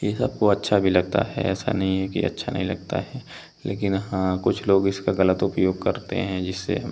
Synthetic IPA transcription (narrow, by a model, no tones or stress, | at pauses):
jesɐb̚koɐtːʃʰabʱilɐɡ̚t̪a̰ɦɛ̰ɛ̰ːsa̰nɐɦĩɦɛkḭɐ̰tːʃʰanɐ̰ɦĩlɐɡ̚t̪a̰ɦɛ | lʔeːk̬ɪnɦãkʊt͡ʃʰloːɡɪskaɣɐlət̪ʊpəjoːɡ̚kɐɾt̪ḛɦɛ̃d͡ʒɪsːḛ